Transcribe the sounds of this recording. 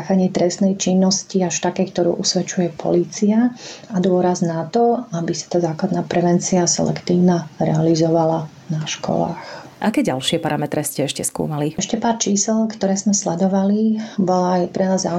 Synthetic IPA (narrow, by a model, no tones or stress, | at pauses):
axaɲɪɛt̪ɾɛst̪nɛjt͡ʃinːɔsciaʃt̪akɛːkt̪ɔɾṵːʔusʋɛt͡ʃujɛpʰɔ̰liːt͡siaad̪ʊɔɾaznat̪ɔabisḁt̪aːzaːklad̪naːpɾɛʋɛnt͡siasɛ̰lɛ̰kt̪iːʊnaɾɛ̰alizɔʋala | naʃkɔ̰la̰ːxʔakɛːɟalʃɪɛpaɾamɛt̪ɾɛscɛɛʃcɛskṵːmaliɛʃcɛpaːɾt͡ʃiːsɛlkt̪ɔɾɛːzmɛslɛd̪ɔʋalibɔlajpɾɛnaːza